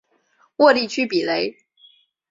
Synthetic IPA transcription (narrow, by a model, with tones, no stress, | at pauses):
wɔ˥˧li˥˩˨t͡ɕʰy˥pi˨˩le˧˥˦ɪ